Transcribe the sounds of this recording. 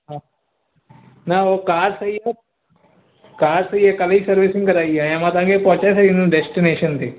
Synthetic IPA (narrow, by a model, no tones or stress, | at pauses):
ɦã | naːokaːɾsɐijɐ | kaːɾsɐjɐkɐlɐisɐɾʋisĩŋɡkɐɾaːjɐjãːmaːt̪ãːŋɡepɔːt͡ʃasɐinũɖesʈineːʃɐnt̪i